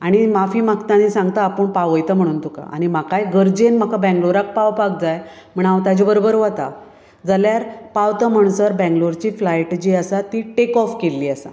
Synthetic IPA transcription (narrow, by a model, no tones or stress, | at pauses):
aɽ̃imafiːmakt̪anisãŋɡt̪aːpəɳpaʋəjt̪əm̤əɽuːnt̪uka̰ʔa̰ɽ̃im̤akajɡəɾd͡ʑenm̤akabɛ̃ŋɡloɾak̚pawpak̚d͡zaj | m̤əɳaʋt̪ad͡ʑibəɾobəɾʋat̪a | d͡zəljaɾpawt̪əm̤əɳ̃səɾbɛ̃ŋɡloɾt͡ɕiːflajʈd͡ʑiːəsat̪iʈekɔfkelːiːəsa̰